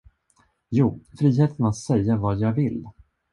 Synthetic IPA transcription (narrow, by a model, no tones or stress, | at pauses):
juːfɾiːɦeːt̪ʰənat̪sɛjːavɑːjɑːɡvɪl